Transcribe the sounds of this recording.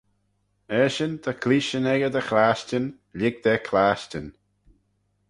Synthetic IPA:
ɛːʃənd̪əkʰliːʃənɛɡəd̪əxlaːʃtən | lɪɡ̚d̪ɛkʰlaːʃtən

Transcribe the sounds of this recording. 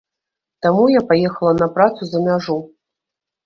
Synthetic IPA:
t̪amujapajɛxɐlˠɐnɐpɾat̪suzɐmʲaʐu

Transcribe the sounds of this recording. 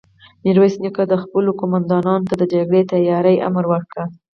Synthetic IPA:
nɪɾwesnjukad̪əxpəlokomand̪ɑnɑnot̪ad̪əd͡ʒaɡɽet̪ajɑɾəja̰mɾwəɽkɽa

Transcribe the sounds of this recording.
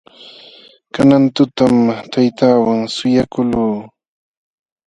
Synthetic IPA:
kanant̪ʊt̪amt̪ʰajt̪aːwaŋsʊjakʊluː

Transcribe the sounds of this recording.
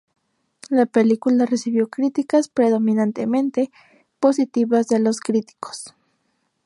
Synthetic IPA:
lapelikularesiβjokɾit̪ikaspɾeðominant̪emẽnt̪e | pos̬it̪iβazðeloskɾit̪i̥ko̥s

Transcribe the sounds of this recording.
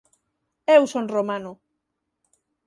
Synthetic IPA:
ewsonromãnʊ

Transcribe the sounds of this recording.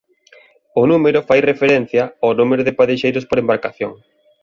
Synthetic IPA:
ʊnumeɾʊfajrefeɾen̟θjɐanumeɾʊðɪpaðeʃejɾʊspoɾembaɾkaθjoŋ

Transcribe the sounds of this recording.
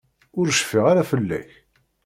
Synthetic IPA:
ʊɾʃfiʁaɾafəlːæ̰ç

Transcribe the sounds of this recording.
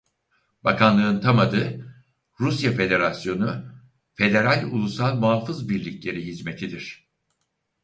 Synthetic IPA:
bakʰanlˠɯɯnt̪ʰamad̪ɯ | ɾusjafe̞d̪e̞ɾasjo̞nu | fe̞d̪e̞ɾalʲṵlˠusalˠmuɦafɯzbiɾlʲiclʲe̞ɾiɦizme̞t̪ʰid̪iɾ̝̥

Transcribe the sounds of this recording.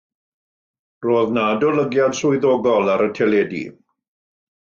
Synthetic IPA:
roːðnaːdɔləɡjad̥sʊɨðɔɡɔlˠaɾətʰɛlˠedḭ

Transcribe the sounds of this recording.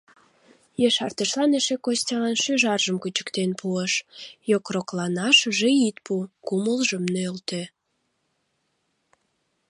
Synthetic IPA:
jeʃɑrt̪əʃlɑneʃekostʲɑɑnʃyʒɑrʒəmkut͡ɕə̥kt̪enpʰuəʃjokroklɑnɑʃəʒeit̪̚pukuməlʒəmnølt̪e

